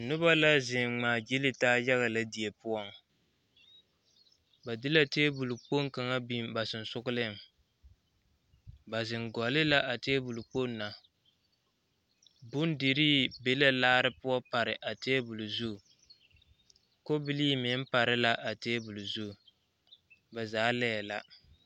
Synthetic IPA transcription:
nʊ˦ba˦la˦zɪ˨ŋ͡maː˨d͡ʒi˦lɪ˦taː˦ja˦ɣa˨la˦di˨e˨pʊ˦ɔ˦ŋ | ba˨dɪ˦la˦teː˦bu˨lu˨k͡po˦ŋ˦ka˨ŋa˦bi˦m˦ba˨sɨ˨n˨sʊ˦ɣʊ˦lɪ˦ŋ | ba˨zɪ˨ŋɡɔ˨lɪ˦la˦ʔa˨te˦bu˨lu˨k͡po˦nːa˨ | bʊ˦n˦dɪ˨ɾiː˦be˦la˦laː˦ɾɨ˦pʊ˦ɔ˦pa˨ɾɪ˨ʔa˨teː˦bu˨lu˨zu˦˨ | ko˦bɪ˦li˦mɪ˨˦m̩˦pa˨ɾɪ˦la˦ʔa˨teː˦bu˨lu˨zu˦˨ | ba˨zaː˨˦lɛː˦˨la˦

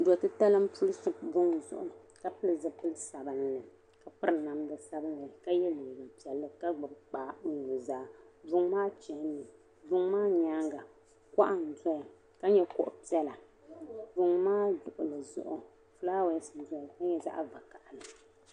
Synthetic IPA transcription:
dɔ˨tɨ˦ta˦lɨ˦m˦pʰu˦lɨ˦sɨ˨bʊ˦ŋzʊ̰˦˨ʔʊ˨ka˦pɨ˦lɨ˨zɨ˦pɨ˦lɨ˦sa˨bɨ˨n˨nɨ˨ | ka˨pɨ˦ɾɨ˨na˨mdɨ˨sa˦bɨ˦nːɨ˨ka˦jɛ˦leː˨ɡa˨pi˨˦ɛ˨lːɨ˦ka˦ɡ͡bɨ˨bk͡paː˨˦n˨u˨zaː˦bʊ˨ŋmaː˦t͡ʃɛ˨˦nːɨ˨ | bʊ˦ŋmaː˦ɲa˦ŋɡa˨ | ka˦ʔa˨n˨dɔ˦ja˨ | ka˦ɲɛ˦kʊ̰˦ʔʊ˨pi˦ɛ˦la˨ | bʊ˦ŋmaː˦dʊ˨ʔʊ˨lɨ˨zʊ̰˦ʔʊ˨ | flaː˦wɛ˦sdɔ˦a˨ka˦ɲɛ˦za̰˦ʔva˨ka˨ʔa˨lɨ˨

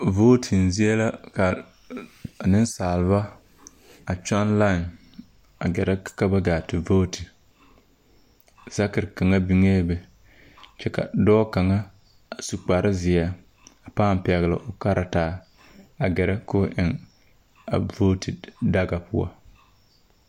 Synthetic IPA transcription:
voː˦tʰɪ˨n˨zi˦ɛ˦la˦ka˨ | nɪ˦n˦saː˨lɨ˨˦βa˦ | a˨t͡ʃa˦nla˦˨n | a˨ɡɛ˨ɾa˦ka˦ba˦ɡaː˨tɪ˨voː˦tʰi˨ | z̥a˦kɨ˨ɾka˨ŋa˦bi˨˦ŋeː˦bɛ˨ | t͡ʃɛ˦ka̰˨dɔː˦ka˨ŋa˦ | a˨su˨k͡pa˨ɾʔɪ˦zɪ˨a˦ | a˨paː˦˨m˨pɛ˨ɣɨ˨lɪ̰˨ʔʊ˨ka˦ɾʔa˨taː˨˦ | a˨ɡɛ˨ɾa˦kʊ˦ʔɪ˨ŋ | a̰˨vo˦tʰɪ˨da˦ɡa˨pʊ̰˦a̰˦

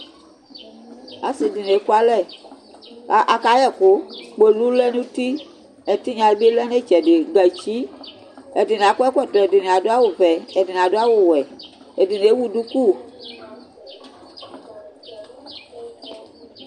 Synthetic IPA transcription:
a̰˨si˨di˨ne˨˦ku˦a˦lɛ˦˨ | a˨ʔa˨ka˨˦jɛ˨kʊ˨˦k͡pe˨lu˦lɛ˦nũ˦ti˦ | ɛ˨ti˦ɲã˨e˦be˦lɛ˦n˦e˦˨t͡ʃɛ˨dɪ˨ɡ͡ba˨t͡ʃi˦ | ɛ˨di˨n˨a˨˦kʷɛ˦kʷɛ˦˨tɔ˨ɛ˨di˨ni˨a˨dʊ˦a˦wʊ˨vɛ˨ɛ˨di˨n˨a˨dʊ˦a˦wʊ˨wɛ˨ | ɛ˨di˨n˨e˨˦wu˦du˦ku˦˨

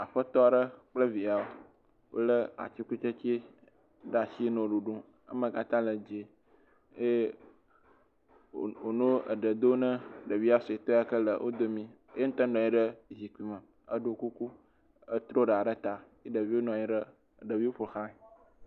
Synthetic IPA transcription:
a˨ɸə˦t̪ɔ˦˨ɖə˦k͡plə˦vi˨a˨o˨˦ | wʔo̰˦lə˦a̰˨t͡ɕi˦ku˦t͡ʃe˦t͡ɕi˦ | ɖa˨si˦nõ˨ɖu˨ɖũ˦ | ə̰˦mə̃˨ka˨t̪ã˦lə˨d͡ʒe˨ | je˦˨ | o˨nõ˦ə̰˨ɖə˨d̪o˦nə̃˦ɖə˨vi˦a˦sɔ˨i˨t̪ɔ˦ja˨kə˦lə˨wʔo̰˦d̪o˦mĩ˦ | je˦ŋ̩̃˦t̪ə˦nɖɔ̃˨i˦ɖə˦zi˨ki˨mə̃˨ | ə˦ɖo˨ku˦ku˦ | ə˦t̪ɾo˦ɖə˨a˨ɖə˦t̪a˨ | i˦ɖə˨vi˦wo˦nɔ̃˨ɲi˦ɖə˦˨ | ɖə˨vi˦o˦ɸo˨xã˦˨

